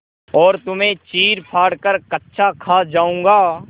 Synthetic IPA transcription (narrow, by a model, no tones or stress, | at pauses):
ɔːɾt̪ʊmẽt͡ʃiːɾpʰaːɽkəɾkətːʃʰakʰaːd͡ʒaːũːŋɡaː